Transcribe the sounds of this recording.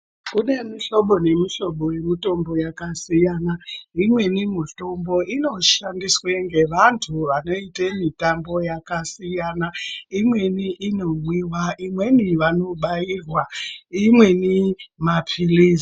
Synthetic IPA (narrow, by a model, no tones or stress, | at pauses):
kune̞miɬo̞ɓo̞ne̞miɬo̞ɓo̞we̞mito̞mbo̞jakasijanaimwe̞nimuto̞mbo̞ʔino̞ʃandisweŋɡe̞ʋantʰuʋano̞itemitambo̞jakasijanaimwe̞niʔino̞mwiwaʔimwe̞niʋano̞ɓajiːrwaimwe̞nimapʰiliːz